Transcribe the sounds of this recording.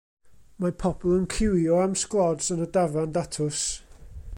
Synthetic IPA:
mapʰɔb̥ɔlˠənkʰɪwjɔamsklˠɔd̥sənədavandatʰʊs

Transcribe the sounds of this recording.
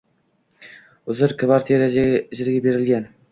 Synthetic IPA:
ʊzɪɾkʰʲɪvɑɾt̪ʰeɾaʒɪɾɡʲabe̞ɾɪlɡʲan

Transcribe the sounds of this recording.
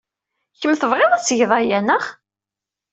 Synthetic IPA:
çəmːθəvʁeðˤæsʝðˤɑjænəχ

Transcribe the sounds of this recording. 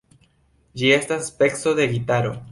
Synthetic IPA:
d͡ʒie̞staspe̞kso̞ðe̞ɡitaɾo̞̰

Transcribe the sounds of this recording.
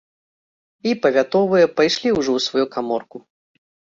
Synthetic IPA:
ipɐvʲat̪ɔvɨjɐpajʂlʲiwʐɔwsvɔjukamɔrku

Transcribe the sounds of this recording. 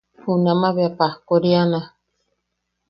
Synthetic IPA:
hunãmãβeapahkoɾiana

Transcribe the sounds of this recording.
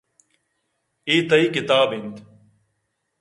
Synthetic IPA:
eːt̪əiːkɪt̪aːbɦɪnd̪

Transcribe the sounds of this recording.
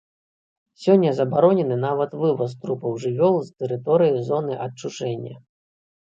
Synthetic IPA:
sʲɔnʲːɐzɐbaɾɔnʲɛnɨnavɐt̪vɨvɐs̬t̪ɾupɐwʐɨvʲɔlˠzt̪ɛɾɨt̪ɔɾɨjizɔnɨʔɐt͡ʂut͡ʂɛnʲːɐ̰

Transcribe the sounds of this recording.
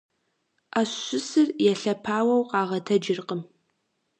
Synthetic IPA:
aɕɕʊsɨrjɛɬɐpʰaːwɐwqɑːʁɐtʰɐd͡ʒɪrqəm

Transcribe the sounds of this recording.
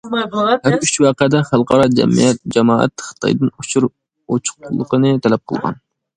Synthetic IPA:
ɛɾyt͡ʃwɑːqəd̪ɛχælˠqʰɑɾɑd͡ʒɛ̰mḭjɛt̪̚d͡ʒɛmɑ̰ːɛ̰t̪χə̥t̪ʰɑ̰jd̪ɨnut͡ʃʰuɾ | ot͡ʃʰʊ̥qʊlˠːəqənɨt̪ʰɛlɛp̚qʰəlˠʁɑ̰n

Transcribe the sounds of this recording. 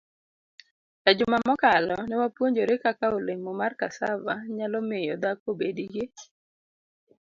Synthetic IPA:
kad͡ʒʊmamɔkalɔnɛwapwoɲd͡ʒoɾekakaolemomarkasa̰vaɲalɔmejod̪akobediɡɪ

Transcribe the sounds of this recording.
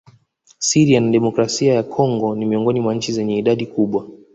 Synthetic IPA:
siɾianaɗɛmɔkɾasiajakʰɔŋɡɔnimiɔŋɡɔnimwaɲ̩t͡ʃizɛɲɛiɗaɗikuɓwa

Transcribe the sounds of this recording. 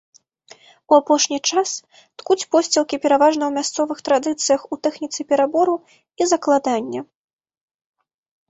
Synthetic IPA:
uapɔʂnʲit͡ʂas | t̪kut͡sʲpɔsʲt͡sʲɛlˠkʲipʲɛɾavaʐnɐwmʲast̪sɔvɨxt̪ɾad̪ɨt̪sɨjɐxut̪ɛxnʲit̪sɨpʲɛɾabɔɾu | izɐklˠad̪anʲːɐ

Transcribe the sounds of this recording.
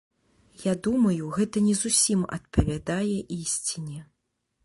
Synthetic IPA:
jad̪umɐjuɣɛt̪ɐnʲɛzusʲimɐ̰t̪̚pɐvʲad̪ajɛʔisʲt͡sʲinʲɛ

